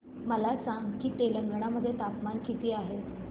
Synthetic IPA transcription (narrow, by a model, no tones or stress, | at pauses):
məlasãŋɡkiːt̪eləŋɡəɽ̃aməd̪ʱːjet̪apmankʰit̪iːaɦe